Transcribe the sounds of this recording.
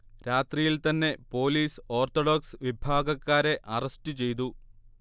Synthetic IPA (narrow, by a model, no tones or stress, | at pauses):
ɾaːt̪rijilt̪ɐnːe̞po̞ːliːso̞ːrt̪oɽoksʋibʱaːɡɐkːaːɾe̞ʔɐrɐstɨt͡ɕe̞jt̪̬u